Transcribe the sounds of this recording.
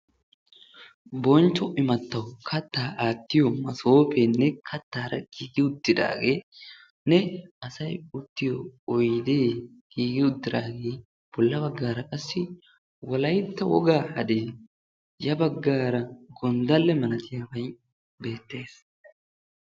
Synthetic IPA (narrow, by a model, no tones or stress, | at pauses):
bɔnt͡ʃːɔʔɪmɐt̪ːɐwkʰɐt̪ːaːʔaːt̪ːɪjɔmɐso̞ːpɛnːɛkʰɐt̪ːaːɾɐ̰ɡ̥iːɡɪʊd̪ːɪd̪a̰ːɡe̞ː | nɛɐsɐjʊt̪ːɪjɔːjd̪eː | ɡ̥iːɡɪʊd̪ːɪd̪aːɡe̞ː | b̥ɔlːɐbɐɡːaːɾɐkʼɐsːɪ | wɔlɐjt̪ːɐwɔ̰ɡaːhɐ̰d̪eː | jɐbɐɡːaːɾɐɡɔnd̪ɐlːɛmɐnɐt̪ɪjaːbɐj | be̞ːt̪ːe̞ːs